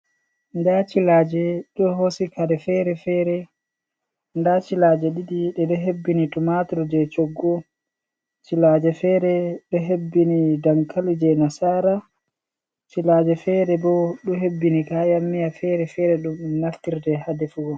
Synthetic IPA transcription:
ndat͡ʃilaːd͡ʒɛɗɔɦosikadɛfɛɾɛfɛɾɛ | ndat͡ʃilad͡ʒɛɗidiɗɛɗɔɦebːinitumatɔɾd͡ʒɛt͡ʃoɡːɔ | t͡ʃilaːd͡ʒɛfɛɾɛɗɔɦebːinidaŋkalid͡ʒɛnasaːɾa | t͡ʃilad͡ʒɛfɛɾɛbɔɗɔɦebːinikajamːijafɛɾɛfɛɾɛɗumɗumnaftiɾdɛhadɛfuɡɔ

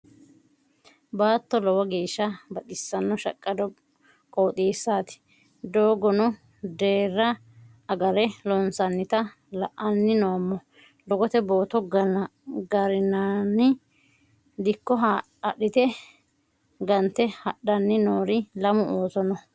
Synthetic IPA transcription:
baːt̪ːɔlɔwɐɡeːʃːɐbɐt̪ʼɪsːɐnːɔʃɐkʼːɐd̪ɔ | kʼoːt̪ʼiːsːaːt̪ɪ̥ | d̪oːɡɔnʊ | d̪eːrːɐ | ɐɡɐɾɛlɔnsɐnːɪt̪ɐ | lɐʔɐnːɪnoːmːɔ | lɔɡɔt̪ɛbo̞ːt̪ɔɡ | ɡɐɾɪnanɪ | d̪ɪkːɔɦa | ɐɗɪt̪ɛ | ɡɐnt̪ɛhɐɗːɐnːɪnoːɾɪlɐmʊʔoːsɔnɔ

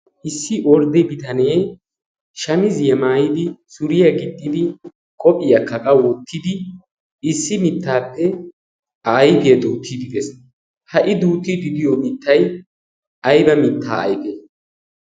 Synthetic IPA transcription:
ʔɪsːɪʔɔɾd̪ɛbɪt̪ɐneː | ʃɐmɪzjɛmaːjɪd̪ɪsʊɾɪjɐɡɪd̪ːɪd̪ɪ | kʼɔpʼːɪjɐkːɐkʼɐwɔt̪ːɪd̪ɪ | ɪsːɪmɪt̪ʰːaːpːɛ | ɐjbɪjɛd̪uːt̪ʰːid̪ɪd̪ɛs | hɐʔɪd̪uːt̪ːid̪ɪd̪ɪjɔmɪt̪ʰːɐj | ʔɐjbɐmɪt̪ːa̰ːɐ̰jbeːs

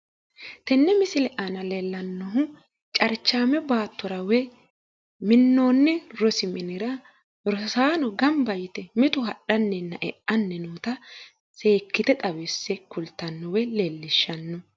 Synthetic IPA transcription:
t̪ɛnːɛmɪsɪlɛʔanɐlelːɐnːɔɦʊ | t͡ʃʼɐɾt͡ʃːaːmɛbaːt̪ːʊɾɐwɛ | mɪnːoːnːɛɾɔsɪmɪnɪɾɐ | ɾɔsaːnɔɡɐmbɐjɪt̪ɛmɪt̪ʊɦɐɗɐnːɛnːɐʔɛʔɐnːɛnuːt̪ɐ | seːkːɪt̪ɛt̪ʼɐwɛsːɛkʊlt̪ːɐnːɔwɛleːlːɪʃːɐnːɔ

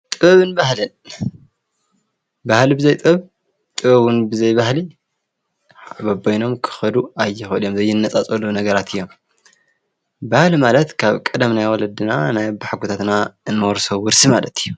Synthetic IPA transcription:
t̪ʼɨβɨnbahlɨn | bahlibɨzɐjt̪ʼɨβ | t̪ʼɨβɐβʊnbɨzɐjbahli | abɐbojno̞mkʰɨ̥xɐd̪uajːɪxʔɨlijomzɐjːɪnːɐt͡sʼat͡sʼɐlunɐɡɐɾat̪ʰɨjːo̞m | bahlimalɐt̪kʰaβkʼɐd̪ɐmnajwɔlɐd̪ɨnanajbaħɡut̪ʰat̪naɨnːɨwɔɾsowɨɾsimalɐt̪ʰɨjːu

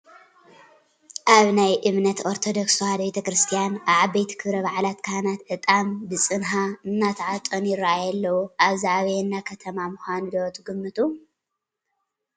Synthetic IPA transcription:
ʔaβnajʔɨβnɐt̪ʰoɾt̪ʰod̪oksuhad̪ɐbet̪ʰɐkɾɨst̪ʰijanaβʕabejt̪ʰi̥kʰɨβɾɐβaʕlat̪kʰanat̪ʕɨt̪ʼambɨt͡sʼɨnɦaɨnːat̪ʰɐʕat̪ʼonjɪɾaʔajɐlːɐwuʔaβziʕaβɐjɨnːakʰɐt̪ʰɐmamuxʷanulot̪ʰʼɨɡɨmːɨt̪ʼu

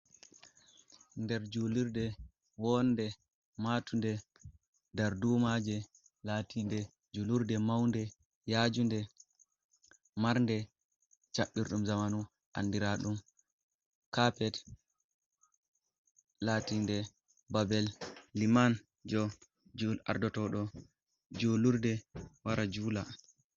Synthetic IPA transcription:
ndɛɾd͡ʒuliɾdɛ | wɔndɛ | matʰundɛ | daɾduːmad͡ʒɛ | latindɛ | d͡ʒuluɾdɛmawndɛ | jad͡ʒundɛ | maɾndɛ | t͡ʃaɓːiɾɗumzamanu | ʔa̰nːdiɾaɗum | kapɛt | latindɛ | babɛlːiman | d͡ʒɔ | d͡ʒua̰ɾdɔtɔɗɔ | d͡ʒuluɾdɛwaɾad͡ʒula

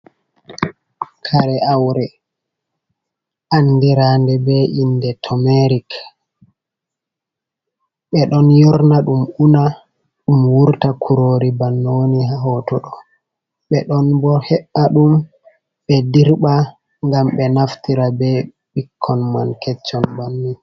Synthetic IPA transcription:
kʰaɾɛʔawɾɛ | ʔanːdiɾandɛbɛʔindɛtʰɔmɛɾik | ɓɛɗɔnjɔɾnaɗumʔuna | ɗumwuɾtakʰuɾoːɾibanːoːniɦaɦɔtɔɗɔ | ɓɛɗɔnbɔhɛɓːaɗum | ɓɛdiɾɓa | ŋɡamɓɛnaftiɾabɛ | ɓikʰːɔnmankɛt͡ʃːɔnbanːin

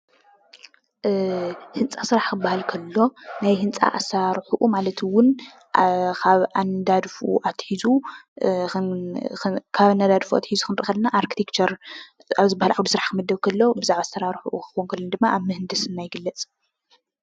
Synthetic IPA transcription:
hɨnt͡sʼasɨɾaħkɨbːahalkʰɐlːo̞najɦɨnt͡sʼa̰ʔasɐɾaɾħuʔumalɐt̪ʰwʊn | kʰaβʔand̪ad̪fṵʔat̪ʰħizu | ɨ | kʰaβanːad̪ad̪fua̰t̪ħizuxʰɨnt̪ʼɐxɐlnaʔaɾkit̪ʰekt͡ʃʰɐɾ | aβzɨbahalʕawd̪usɨɾaħkʰɨmɐd̪ːɐβkʰɐlːo̞bɨzaʕβasɐɾaɾħuʔukɨwonkʰɐlːɐnd̪ɨmːaʔaβmɨhɨnd̪ɐsɨnːajɪɡɨlːɐt͡sʼ

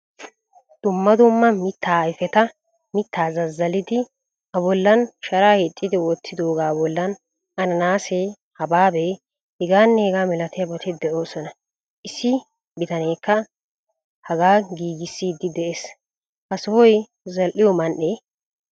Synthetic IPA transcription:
d̪̥ʊmːɐd̪ʊmːɐmɪt̪ʰːaːɪfɛt̪ɐ | mɪt̪ʰːaːzɐzːɐlɪd̪ɪ | hɐbɔlːɐnʃɐɾaːhet̪ʼːɪd̪ɪwɔt̪ːɪd̪o̞ːɡaːbɔlːɐn | ɐnɐnaːseː | hɐbaːbe | hɛɡaːnːeːɡaːmɛlɐt̪ɪjɐbɔt̪ɛd̪ɛʔo̞ːsɔnɐ | ʔɪsːɪ | bɪt̪ɐneːkːɐ | hɐɡaːɡiːɡɪsːiːd̪ːɪd̪ɛʔeːs | hɐsɔhɔj | zɐlʔɪjɔmɐnɗe

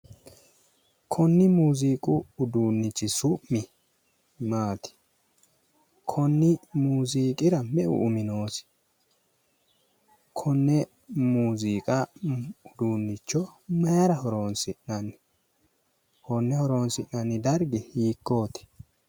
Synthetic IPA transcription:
kʰɔnːɪmuːziːkʼʊʊd̪uːnːɪt͡ʃːɪsʊmːɪ | maːt̪ɪ̥ | kʰɔnːɪmuːziːkʼɪɾɐmɛʔʊ̰ʔʊmɪno̞ːsɪ̥ | kʰɔnːɛ | muːziːkʼɐʊd̪uːnːɪt͡ʃːɔmɐjɐɾɐhɔɾo̞ːnsɪnnɐnɪ | hɔnːɛhɔɾo̞ːnsɪʔɐnːɪd̪ɐɾɡɪhiːkːo̞ːt̪ɪ̥

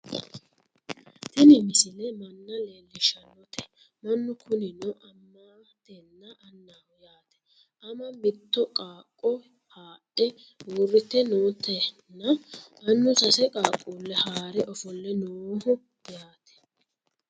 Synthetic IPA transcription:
t̪ɪnɪmɪsɪlɛmɐnːɐleːlːɪʃɐnɔt̪ʰɛ̥ | mɐnːʊkʰʊnɪnɔʔɐmːaː | t̪ɛnːɐʔɐnːaːwjaːt̪ɛ̥ | ʔɐmɐbɪt̪ːɔkʼaːkʼːɔ | haːʔɛ | wʊrːɪt̪ːɛnoːt̪ɛnːɐmɐnːʊsɐsɛkʼaːkʼːulːɛhaːɾɛʔɔfɔlːɛnoːhʊ | jaːt̪ɛ̥

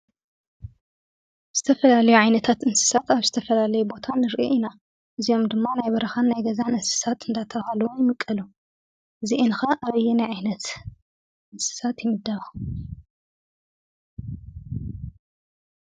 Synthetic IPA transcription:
z̥ɨt̪ʰɐfɐlalɐjuʕajnɐt̪ʰat̪ɨnsɨ̥sat̪aβzɨt̪ʰɐfɐlalɐjubo̞t̪ʰanɨɾʔiʔina | ʔɨzijo̞md̪ɨmːanajbɐɾɐxanːajɡɐzanɨnsɨ̥sat̪ɨnd̪at̪ʰɐβahalɐwujɪmɨkʼːɐlu | ʔɨziʔɨnxɐʔaβɐjːɛnajʕajnɐt̪ | ʔɨnsɨ̥sat̪jɪmɨd̪ːaβxu

